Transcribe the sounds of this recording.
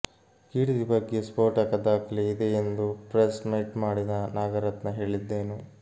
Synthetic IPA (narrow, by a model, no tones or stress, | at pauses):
kiːɽid̪ibɐɡːespoːɾʈɐkɐd̪aːkɐliid̪eːnd̪upɾesmejʈmaːɽid̪ɐnaːɡɐɾɐt̪nɐɦe̞ːɭid̪ːeːnu